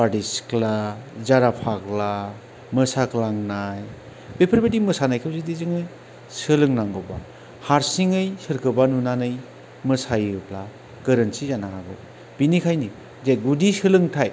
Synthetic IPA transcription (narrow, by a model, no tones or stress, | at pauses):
padisklazaɾapʰakla | mɯsaklaŋnaj | bepʰɯɾbedimɯsanajkʰɯwzidizɯŋɯj | sɯlɯŋnaŋɡɔba̰ | haɾsiŋɯjsɯɾkʰɯbanunanɯj | mɯsajɯpla | ɡɯɾɯnsizanahaɡɔ | b̥inikʰajni | zeɡudisɯlɯŋtʰaj